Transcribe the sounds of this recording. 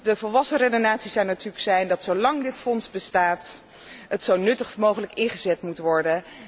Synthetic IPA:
dəvɔlˠʋɑsərejdonaːtsisɑwnatyːləksɛjndɑtsowlɑŋdɪtfɔnsbəstaːt | ətsownɵtəχmowχələkɪnχəzɛtmutʋɔɹdə

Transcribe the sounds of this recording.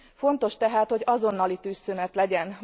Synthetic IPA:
fo̞nt̪o̞ʃt̪ɛɦaːt̪ho̞ɟɒzo̞nːɒlit̪yːst̪ønɛt̪lɛɟɛn

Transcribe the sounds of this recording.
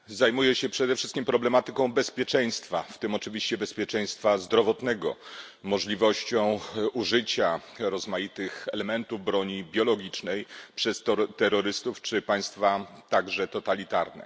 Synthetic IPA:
zajmujɛɕɛpʂɛd̪ɛfʂɘst̪kʲimpɾɔblɛmat̪ɘkɔ̃w̃bɛspʲjɛt͡ʂɛj̃st̪fa̰ft̪ɘmɔt͡ʂɘvʲiɕt͡ɕɛbɛspʲjɛt͡ʂɛ̃j̃st̪fazd̪ɾɔvɔt̪nɛɡɔ̰ | mɔʐlʲivɔɕt͡ɕɔ̃w̃uʐɘt͡ɕaɾɔzmajit̪ɘxɛlɛmɛnt̪uvbɾɔɲibʲjɔlɔɡʲit͡ʂnɛjpʂɛst̪ɔt̪ɛɾɔɾɘst̪uft͡ʂɘpaj̃st̪fat̪aɡʐɛt̪ɔt̪alʲit̪aɾnɛ̰

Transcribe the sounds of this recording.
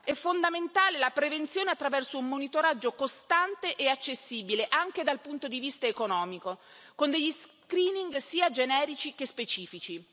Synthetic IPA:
ɛfːond̪ament̪aːlelapɾevent̪sjoːneat̪ːɾavɛrsoummonit̪oɾad͡ʒːokost̪ant̪eʔeat͡ʃːesːiːbileʔaŋk̟ed̪alpunt̪od̪ivist̪aekonɔːmiko | kond̪eʎːis | kɾiːniŋɡsiːad͡ʒenɛːɾit͡ʃik̟espet͡ʃiːfit͡ʃi

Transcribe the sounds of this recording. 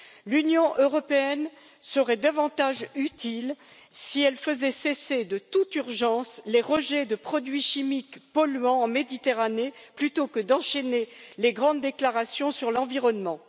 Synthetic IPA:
lynjɔ̃ʔøʁɔpeɛn | səʁɛd̪avɑ̃t̪aʒyt̪il | siɛlfəzɛsesed̪ət̪ut̪yʁʒɑ̃sleʁəʒɛd̪əpχɔd̪ɥiʃimikpɔlɥɑ̃ːmed̪it̪eʁaneplyt̪okəd̪ɑ̃ʃeneleɡʁɑ̃d̪ːeklaʁasjɔ̃syʁlɑ̃viʁɔnmɑ̃

